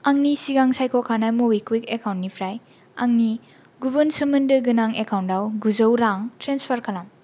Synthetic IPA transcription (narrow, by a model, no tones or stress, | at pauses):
ɐŋnisiɡaŋsajkʰokʰanamowikwikekawntnipʰɾaj | ɐŋni | ɡubɐnsɐmɐndɯɡɯnaŋekawntawɡuzɐwɾaŋtɾenspʰɐɾkʰɐlam